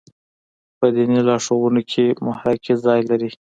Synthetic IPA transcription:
pəd̪inilɑʂowunokʰemʊhɾakizɑjlaɾi

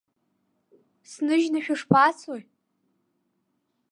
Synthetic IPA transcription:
snɨʒnaʃᶣʊʂpʰat͡sʰoj

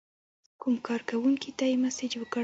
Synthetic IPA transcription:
kumkɑɾkawuŋkit̪ajimased͡ʒwəka

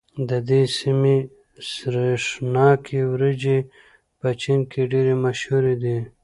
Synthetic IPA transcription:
d̪əd̪esime | sɾeʂnɑkʰewɾəd͡ʒe | pət͡ʃinkeɖeɾemaʃhuɾed̪i

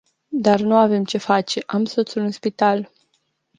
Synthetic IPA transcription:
d̪arnuave̞mt͡ʃe̞fat͡ʃe̞ʔamsot̪sulɨnspit̪al

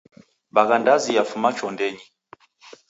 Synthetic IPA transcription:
baɣandazijafumat͡ʃɔndɛɲi

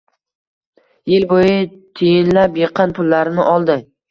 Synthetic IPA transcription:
jɪlbojɪt̪ʰejɪnlapjeqʰɑnpʰʊlːaɾɪnɪʔɒlˠd̪ɪ

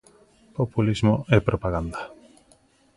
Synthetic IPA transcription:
populizmoepɾʔopaɣand̪a

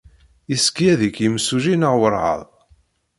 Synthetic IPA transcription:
iskijæðikjəmsuʒinəʁwəɾˤʕɑ̰ðˤ

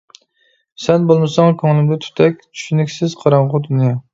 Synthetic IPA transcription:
sɛnbolˠmɨsɑŋkʲʰoŋlˠɪmd̪ɪt̪ʰy̥t̪ʰɛk̚ʲt͡ʃʰy̥ʃynykʲsɪz̥qʰɑɾɑɴʁʊt̪unɑ

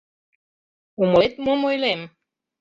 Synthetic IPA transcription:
uməlet̪məmojlem

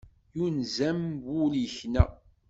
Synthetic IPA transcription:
junzæmbʊliçnæ̰

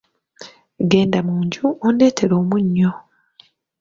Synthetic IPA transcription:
ɡe̞ːndamuːɲɟuonde̞ːtʰe̞ɾo̞ːmuɲːo

